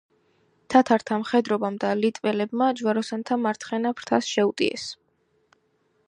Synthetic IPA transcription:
t̪ʰat̪ʰaɾt̪ʰamχɛd̪ɾɔbamd̪alit̪ʼvɛlɛbmad͡ʒwaɾɔsant̪ʰamaɾt̪ʰχɛnapʰɾt̪ʰasʃɛut̪ʼḭɛ̰s

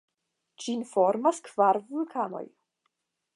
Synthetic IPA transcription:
d͡ʒinfo̞ɾmaskv̥aɾvulkʰano̞̰j

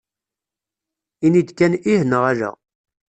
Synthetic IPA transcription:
inid̪kæniɦənəʁæɾæ̰

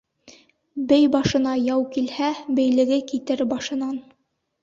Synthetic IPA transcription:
bɘjbɑʃɤ̆nɑjɑwkilhæbɘ̆jlɘ̆ɡɘkit̪ɘɾbɑʃɤ̆nɑn

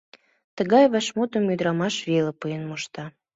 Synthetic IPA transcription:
t̪ə̆ɣɑjβæʃmut̪ə̆myd̪ɾɑmɑʃβelə̆pɯjənmoʃt̪ɑ

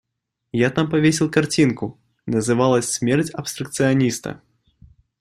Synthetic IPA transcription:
jat̪ampavʲesʲɛlˠkart͡sʲinku | nɐzɨvalˠɐsʲsʲmʲɛrt͡sʲɐpst̪ɾɐkt̪sɨjanʲist̪ɐ̰

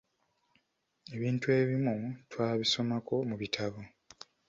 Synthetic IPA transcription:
e̞βiːntue̞ːβimutwaːβiso̞mako̞muβitʰaβo

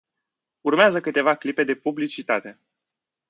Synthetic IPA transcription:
urmeazəkɨt̪e̞vaklipe̞d̪e̞publit͡ʃit̪at̪e̞

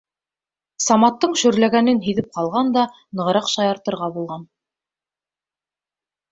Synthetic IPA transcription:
sɑmɑt̪ːɤɴʃɵ̆ɾlæɡænɘnɦiðɘp̚qɑlˠʁɑnd̪ɑ | nɤ̆ʁɤ̆ɾɑqʃɑjɑɾt̪ɤ̆ɾʁɑbulˠʁɑn

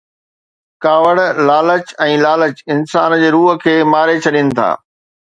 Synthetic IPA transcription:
kaːʋəɽlaːlət͡ɕɛ̃ːlaːlət͡ɕɪnsaːnd͡ʑeːɾuːɦə̆kʰeːmaːɾet͡ɕʰɐɗinɪ̆t̪ʰa̰ː

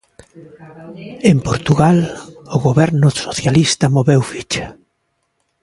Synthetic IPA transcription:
empoɾt̪uɣalʊɣoβɛɾnʊsoθjalist̪ɐmoβɛwfit͡ʃḁ

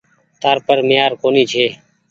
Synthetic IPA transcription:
t̪aːɾpəɾmɪːaːɾkoːniːt͡ʃʰeː

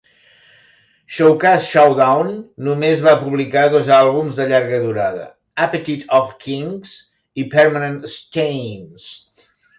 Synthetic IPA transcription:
ʃowkasʃawd̪awnːumezβapuβlikaðɔzalˠβumzðəʎaɾɣəðuɾaðə̰ | apət̪it̪ʰɔfkʰiŋz̥ | ipɛɾmənənst͡ʃejns

